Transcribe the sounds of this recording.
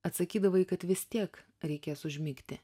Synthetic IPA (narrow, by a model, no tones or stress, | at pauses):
ɐt̪sɐkʲiːd̪ɐʋɐɪkɐt̪ʋʲɪsʲt̪ʲiɛk | ɾʲɛɪkʲeːsʊʒʲmʲɪkt̪ʲɪ